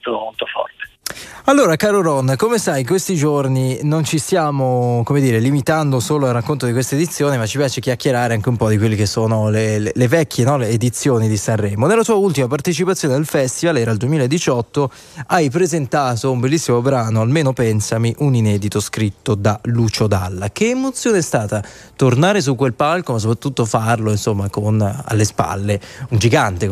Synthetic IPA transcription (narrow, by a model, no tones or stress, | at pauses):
t̪omolt̪ofɔ̰rt̪e̥ | alːoːɾakaːɾoɾɔnːkomesajk̬west̪id͡ʒorninont͡ʃist̪jaːmokomed̪ːiːɾelimit̪and̪osoːloalrakːont̪od̪ikwest̪eːd̪it̪sːjoːnimat͡ʃːipjaːt͡ʃek̟jakːeɾaːɾeaŋk̟eumpɔd̪ikwelːikesːoːnolelelevɛkʰːjenɔleːd̪it̪sːjoːnid̪isanrɛːmonelːat̪uːault̪imapart̪et͡ʃipat̪sːjoːned̪elfɛst̪ivalɛːɾaːld̪uwemilaed̪ːit͡ʃɔt̪ːo | ajpɾezent̪aːt̪oumbelːisːimobɾaːnoalmeːnopɛnsamiʔuninɛːd̪it̪oskɾit̪ːod̪alut͡ʃod̪a̰lːak̟eːmot̪sːjoːneɛst̪aːt̪a | t̪ornaːɾes̬ukːwelpalkomas̬ːopɾat̪ːut̪ːofarloinsomːakona̰lːespa̰lːeund͡ʒiɡant̪e